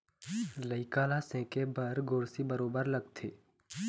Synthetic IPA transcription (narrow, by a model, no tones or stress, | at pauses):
ləɪkaːlasɛ̃ːkebɐɾɡʊːɾsibəɾoːbəɾlɐɡt̪ʰeː